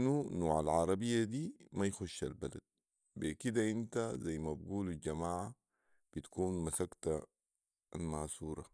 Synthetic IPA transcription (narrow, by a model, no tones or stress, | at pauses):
nːunuːʕa̰lʕɑɾˤɑbijːad̪iːmajxuʃːalbala̰d̪̚ | bikid̪aʔint̪azajːmabɡuːlalɟamaːʕa | b̥it̪kuːnmasakt̪a | lmaːsuːɾˤɑ